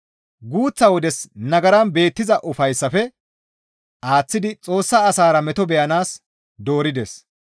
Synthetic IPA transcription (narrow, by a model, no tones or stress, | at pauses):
ɡuːt͡sːɐwɔd̪ɛsnɐɡɐɾɐnbe̞ːt̪ːɪzɐʔʊfɐjsːɐfɛ | ʔaːt͡sːɪd̪ɪt͡sʼo̞ːsːɐːsaːɾɐmɛt̪ɔbɛjɐnaːs | d̪o̞ːɾɪd̪ɛs